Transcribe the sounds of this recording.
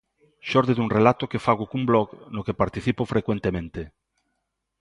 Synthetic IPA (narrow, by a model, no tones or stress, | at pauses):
ʃɔɾðeðuŋrelat̪okefaɣokumblɔknokepaɾt̪iθipofɾekwent̪emẽnt̪e